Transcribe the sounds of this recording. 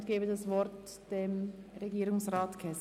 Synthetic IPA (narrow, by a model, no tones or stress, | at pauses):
tɡ̥eːbədɑsvɔɾt | d̥em | ɾeɡiːɾʊŋsʁaːtkʰɛs